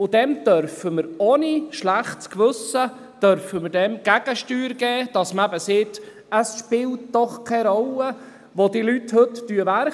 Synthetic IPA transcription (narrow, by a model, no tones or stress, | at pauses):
ʊd̥̪ɛmd̥œɾfəməɾoniʃlæχtskʋɵsə | d̥œɾfəməɾdɛmɡ̥æɡ̥əʃtyːɾɡɛːd̥ɑsməæbəsɪt | əsʃpɪlt̚d̥ɔχkʰɛɾɔlə | ʋodilythɵtd̥yəʋæɾ